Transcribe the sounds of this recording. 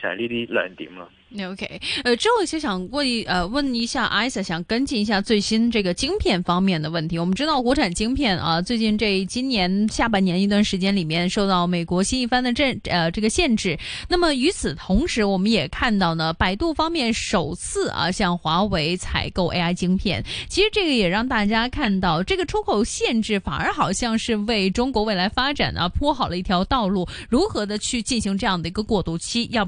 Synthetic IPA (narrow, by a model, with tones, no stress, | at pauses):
ɕa̰˨˧˩li˥˧t̪i˧˩la̰˨˩nt̪ḭ˧˥ŋlə˧ | o˧ʊkʰe˥ɪə˧ʈ͡ʂɻ̩˥xo˥˩ʊ˨˩ɕo˥˩ɕjɑ˨˩ŋwə˥˩˧ʔə˧wə˥˩ni˧˥ɕja˥˩ʔa˥ɪsə˥˩ɕjɑ˨˩ŋkə˥nt͡ɕi˥˩ni˧˥ɕja˥˧t͡swe˥˩ɪɕi˥n˧ʈ͡ʂɤ˥˩ɡə˩t͡ɕi˥ŋpʰjɛ˥˩nfɑ˥ŋmjɛ˥˩nd̪ə˩wə˥˩nt̪ʰi˧˥wɔ˨˩mə˦n˥ʈ͡ʂɻ̩˥t̪ɑ˥˩ʊkwɔ˧˥ʈ͡ʂʰa˨˩nt͡ɕi˥ŋpʰjɛ˥˩nʔɐ̰˧t͡swe˥˧ɪt͡ɕi˥˧nʈ͡ʂe˥˩t͡ɕi˥nnjɛ˧˥nɕja˥˩pa˥˩ɪnjɛ˧˥n˧i˧t̪wa˥˩nʂɻ̩˧˥t͡ɕjɛ˥nli˨˩mjɛ˥˧nʂo˥˧ʊt̪ɑ˥˩ʊme˨˩ɪkwɔ˧˥ɕi˥ni˥˧fa˥nd̪ə˨ʈ͡ʂə˥˧ə˧ʈ͡ʂɤ˥˩ɡə˩ɕjɛ˥˧nʈ͡ʂɻ̩˥˩na˥˩mə˩y˧˥t͡sʰɹ̩˨˩t̪ʰʊ˧˥ŋʂɻ̩˧˥wɔ˨˩mə˦njɛ˨˩kʰa˥˧nt̪ɑ˥˩ʊnə˩pa˧˥ɪt̪u˥˩fɑ˥ŋmjɛ˥˩nʂo˨˩ʊt͡sʰɹ̩˥˩ɐ̰˩ɕjɑ˥˩ŋxwa˧˥we˧˥ɪt͡sʰa̰˧˥ɪko˥˩ʊʔe˥ɪa˥ɪt͡ɕi˥ŋpʰjɛ̰˥˩nt͡ɕʰi˧˥ʂɻ̩˧˥ʈ͡ʂɤ˥˩ɡə˩jɛ˨˩ɻɑ˥˧ŋt̪a˥˩t͡ɕja˥kʰa˥˧nt̪ɑ˥˩ʊʈ͡ʂɤ˥˩ɡə˩ʈ͡ʂʰu˥kʰo˨˩ʊɕjɛ˥˧nʈ͡ʂɻ̩˥˩fa̰˨˩nə˞˧˥xɑ˨˩ʊɕjɑ˥˧ŋʂɻ̩˥˧we˥˩ɪʈ͡ʂʊ˥ŋkwɔ˧˥we˥˩ɪla˧˥ɪfa˥ʈ͡ʂa̰˨˩nʔɐ̰˦˩pʰwɔ˥xɑ˨˩ʊlə˦i˥˩t̪ʰjɑ˧˥ʊt̪ɑ˥˧ʊlu˥˩ɻu˧˥xɤ˧˥d̪ə˧t͡ɕʰy˥˧t͡ɕi˥˩nɕi˧˥ŋʈ͡ʂɤ˥˧jɑ˥˩ŋd̪ə˩i˧˥ɡə˧kwɔ˥˩t̪u˥˩t͡ɕʰi˥jɑ˥˧